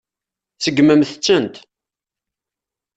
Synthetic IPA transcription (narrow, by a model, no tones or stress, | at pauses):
səɡːməmθət͡sːənt̪